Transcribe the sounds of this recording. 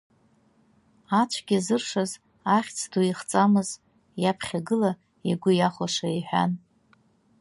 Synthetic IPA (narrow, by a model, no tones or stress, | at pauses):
at͡ʃʷʰɡʲizɨrʂaz | aχʲt͡sʰduiχt͡sʼamɨz | japʰχʲaɡɨla | iɡʷʊjaχʷaʂaiħᶣa̰n